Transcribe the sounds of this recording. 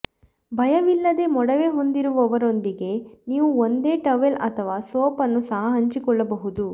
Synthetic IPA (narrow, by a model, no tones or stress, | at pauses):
bʱɐjɐʋilːɐd̪e̞mɔɽɐʋe̞ːɦo̞nd̪iɾuʋɔʋɐɾo̞nd̪iɡe̞niːʋuo̞nd̪e̞ːʈɐʋelɐt̪ʰɐʋaːsoːpɐnːusɐɦɐɦɐɲt͡ʃikɔɭːɐbɐɦud̪u